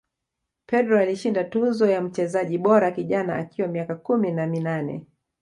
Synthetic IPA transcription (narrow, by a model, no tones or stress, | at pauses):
pɛdɾɔaliʃindatuzɔjam̩t͡ʃɛzaʄiɓɔɾakiʄanaːkiwamiakakuminaminanɛ̰